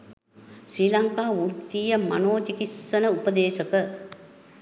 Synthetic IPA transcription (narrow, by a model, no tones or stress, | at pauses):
ʃɾiːlɐŋkaːʋuɾt̪ijɐmɐ̰noːt̪ikisːɐnɐupɐd̪eːʃɐkɐ